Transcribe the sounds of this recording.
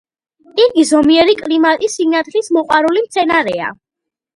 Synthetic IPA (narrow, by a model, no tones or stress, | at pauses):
iɾɡizɔmiɛɾikʼlimat̪ʼisinat̪ʰlismɔqʼwaɾulimt̪sʰɛnaɾɛa̰